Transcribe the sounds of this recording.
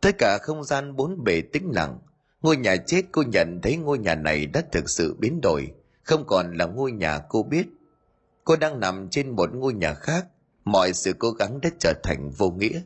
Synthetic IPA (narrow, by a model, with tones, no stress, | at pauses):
t̪ə˦˥t̚kaː˧˩xə˧wŋ͡mzaː˧nɓo˨˦nɓe˨˩t̪ï˨˦ŋ̟la̰˧˨ŋ | ŋo˧əjɲaː˨˩t͡ɕe˦˥t̚ko˧ɲə̰˧˨nt̪ʰə˨˦jŋo˧əjɲaː˨˩na˨˩jɗa̰ː˨˦˥t̪ʰɨ˨˩k̚sɨ̰˧˨ɓi˨˦ənɗo̰˨˩j | xə˧wŋ͡mkɔ˨˩nlaː˨˩ŋo˧əjɲaː˨˩ko˧ɓi˦˥ət̚ | ko˧ɗaː˧ŋna˨˩mt͡ɕe˧nmo˨˩t̚ŋo˧jɲaː˨˩xaː˦˥k̚ | mɔ̰˧˨jsɨ̰˧˨ko˨˦ɣa˨˦ŋɗa̰ː˨˦˥t͡ɕəː˧˩t̪ʰa˨˩jŋ̟vo˧ŋḭ˧˥ə